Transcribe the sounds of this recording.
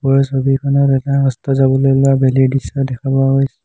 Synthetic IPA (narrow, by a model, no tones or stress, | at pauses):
pɔɹɔsobikʰɔnɔtɛtaɦɔstɔzabɔlojlʊabɛlidisɔdɛkʰabɔaɦojsɛ